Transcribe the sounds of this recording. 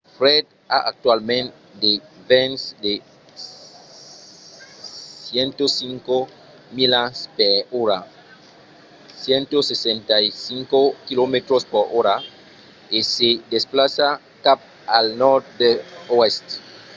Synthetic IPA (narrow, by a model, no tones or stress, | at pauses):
fɾed̪ | a̰ʔak̚t̪walmẽnt̪ | d̪evẽnsd̪e | sjent̪osiŋko | milaspeɾoɾa | sjẽnt̪osesẽnt̪ajsiŋkokilomet̪ɾospoɾoɾa | esed̪esplasa | kap̚ | alnɔɾt̪̚d̪eoest̪